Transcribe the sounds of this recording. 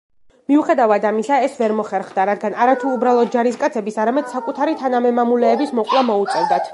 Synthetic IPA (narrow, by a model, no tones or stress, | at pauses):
miuχɛd̪avad̪amisaɛsvɛɾmɔχɛɾχd̪aɾad̪ɡanaɾat̪ʰuːbɾalˠɔd̪̚d͡ʒaɾiskʼat̪sʰɛbisaɾamɛd̪̥sakʼut̪ʰaɾit̪ʰanamɛmamulɛːbismɔqʼlˠamɔut̪sʼɛvd̪at̪ʰ